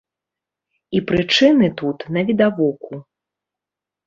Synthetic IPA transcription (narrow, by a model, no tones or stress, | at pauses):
ipɾɨt͡ʂɨnɨt̪ut̪nɐvʲid̪avɔku